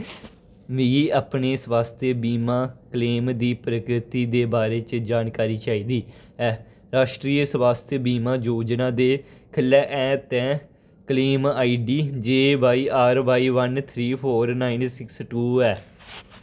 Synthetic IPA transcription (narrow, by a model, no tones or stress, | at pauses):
ʋiːaːpneːsʋaːst̪ʰəbiːmãːkəleːmd̪iːpɾəkɾɪt̪iːd̪eːbaːɾeːt͡ʃd͡ʒaːnkaːɾiːt͡ʃaːiːd̪iː | ɛː | ɾaːʃʈɾiːəsʋaːst̪ʰjəbiːmãːd͡ʒoːd͡ʒnãːd̪eːkʰəlːɛːʔɛ̃ːt̪ɛ̃ː | kəliːmaːiːɖiːd͡ʒeːbaːiːʔaːɾʋaːiːʋənt̪ʰɾiːpʰoːɾnaːinsɪksʈuːɛː